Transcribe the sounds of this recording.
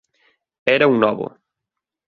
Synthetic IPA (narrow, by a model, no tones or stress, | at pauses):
ɛɾɐuŋnɔβʊ̰